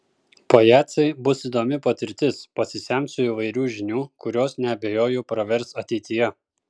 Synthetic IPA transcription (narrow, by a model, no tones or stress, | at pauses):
pojæːt̪sɐɪbʊsid̪oːmʲɪpɐt̪ʲɪɾʲt̪ʲɪspɐsʲɪsʲæmʲsʊɪʋɐɪɾʲuːʒʲɪnʲuːkʊɾʲoːsnʲɛɐbʲeːjoːjupɾɐʋʲɛɾsɐt̪ʲɛɪt̪ʲɪjɛ